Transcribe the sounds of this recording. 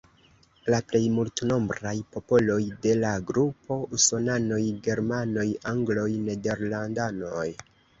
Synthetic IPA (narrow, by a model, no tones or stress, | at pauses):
laple̞jmultno̞mbɾajpo̞po̞lo̞jde̞laɡɾupo̞uso̞nano̞jɡe̞ɾmano̞jaŋɡlo̞jne̞de̞ɾlandanoj